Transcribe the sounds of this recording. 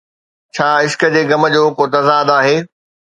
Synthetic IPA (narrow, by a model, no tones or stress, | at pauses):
t͡ɕʰaːɪskəd͡ʑeːɡɐmə̆d͡ʑoːkoːt̪ɐzaːd̪aːɦeː